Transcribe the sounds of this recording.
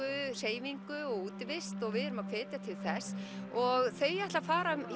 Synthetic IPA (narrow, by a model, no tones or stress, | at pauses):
ʏr̥eːjviŋkʏɔɣuːt̪ɪvɪst̪ɔɣvɪðʏɾʏmakfɛːt̪jat̪ʰɪlθɛsɔɣθejɛht̪lafaːɾaʏm